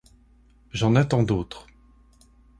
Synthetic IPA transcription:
ʒɑ̃nat̪ɑ̃d̪oːt̪χ

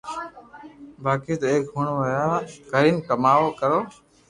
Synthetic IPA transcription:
baːkiːt̪əeːkɦʊɳ̃ʋəjaːɡʱəɾiːnkəmaːʋoːkəɾoː

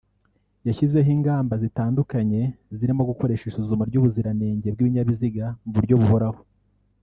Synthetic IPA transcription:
jaʃize̞ɦiːŋɡaːmbazitaːndukaɲe̞ziɾimo̞ɡuko̞ɾe̞ʃisuzumaɾɟuβuziɾaneːɲɟe̞b̚ɡiːβiɲaβiziɡamvuɾɟoβuβoɾaho

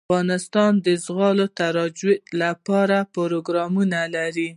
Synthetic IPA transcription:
ɣɑnɪst̪ɑnd̪əzɣɑlot̪aɾɑd͡ʒɪlapɑɾapʊɾoɡɾɑmunalaɾi

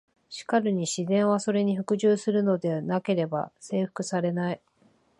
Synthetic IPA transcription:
ɕi̥kaɾɯɲ̟iɕizẽ̞ɰ̃β̞aso̞ɾe̞ɲ̟iɸɯ̟kɯ̟ʑɨːsɨɾɯ̟no̞d̪e̞nake̞ɾe̞ba̰se̞ːɸɯ̥kɯ̟saɾe̞nai

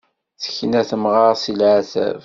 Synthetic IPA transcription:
θə̥çnæθəmʁɑʁsilʕaθæ̰v

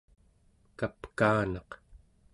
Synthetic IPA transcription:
kapkaːnɑq

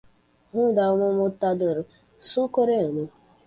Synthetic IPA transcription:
ɦʊdaŋʷʊmʊtadoɾʊ | sʊkoɾeonu

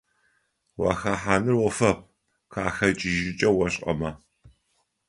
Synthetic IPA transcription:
wa̰xɐħaːnɨrwɔfɐp̚ | qʰaːxɐt͡ʃʼɪʒɪt͡ʃʼɐwɐɕʼqʼɐ̰mɐ

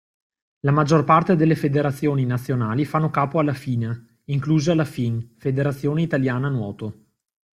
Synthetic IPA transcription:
lamad͡ʒːorpart̪ed̪elːefed̪eɾat̪sːjoːninat̪sːjonaːlifanːokaːpoalːafiːna | iŋkluːzealafinfed̪eɾat̪sːjoːneit̪aljaːnanwɔ̰ːt̪o

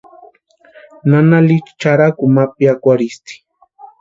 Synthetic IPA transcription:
nanalit͡ʃt͡ʃaɾakumapjakʷaɾist̪i̥

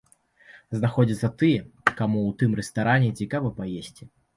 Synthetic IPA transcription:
znaxɔd͡zʲit̪sːɐt̪ɨjɛkamuwt̪ɨmɾɛst̪aɾʔanʲɛt͡sʲikavɐpajesʲt͡sʲi

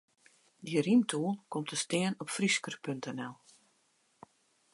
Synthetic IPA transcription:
dirintʰuəlˠkɔmtəstɪːənɔpfriskərpøntʰɛnɛlˠ

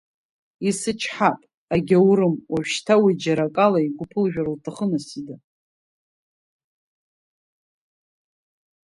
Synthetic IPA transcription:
isɨt͡ʃʰħapʼ | aɡʲawɾɨmwaʒᶣʃtʰawid͡ʒaɾakʼalaiɡʷʊpʰɨlʒᶣaɾltʰaχənasida

